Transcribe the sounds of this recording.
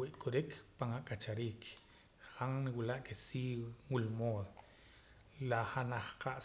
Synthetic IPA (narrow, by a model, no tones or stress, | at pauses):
wiʔkʼuɾikʰpaŋakʼat͡ʃaɾiːkʰ | χaŋniwilaʔkesiːwwulmoːð | laχanaχqʰaʔ